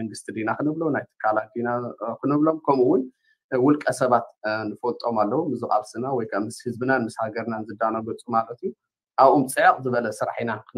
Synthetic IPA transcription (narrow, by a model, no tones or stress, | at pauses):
mɐŋɡɨst̪ʰid̪inakʰɨnɨβlonajt̪ʰɨ̥kʰːalat̪̚d̪inakʰɨnɨβlo̞mkʰɐmuwʊn | wʊlkʼɐsɐβat̪nɨfot̪ʼo̞malːɐwumɨzɨχʼa̰lsɨnawɔjkʰamɨshɨzbɨnanmɨshaɡɐɾnanzɨd̪ːanaɡɐt͡sʼumalɐt̪iju | ʔaβomt͡sʼɨʕaχʼzɨβɐlɐsɨɾħinak